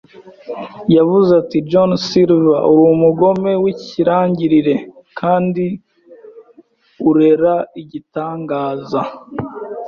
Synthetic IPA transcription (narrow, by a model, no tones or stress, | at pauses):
javuzatid͡ʒonsilvaʔuɾumuɡo̞me̞wiciɾaːɲɟiɾiɾe̞ | kʰaːndi | uɾe̞ɾaiɟitaːŋɡaːza